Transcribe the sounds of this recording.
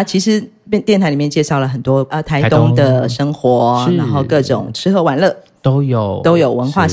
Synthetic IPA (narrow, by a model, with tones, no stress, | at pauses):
t͡ɕʰi˧˥ʂɻ̩˧˥ | pnt̪jt̪ʰa˧˥ɪi˨˩mjɛ˥˧nt͡ɕjɛ˥˧ʂɑ˥˩ʊlə˩xə˨˩nt̪wɔ˥ə˧t̪ʰa˧˥ɪt̪ʊ˥ŋd̪ə˨ʂə˥ŋxwɔ˧˥˦na˧˥nxo˥˧ʊkɤ˥˩ʈ͡ʂʊ˨˩ŋʈ͡ʂʰɻ̩˥xɤ˧˥wa˧˥nlə˥˩ | t̪o˥ʊjo˨˩t̪o˥ʊjo˨˩ʊwə˧˦˥nxwa˥˧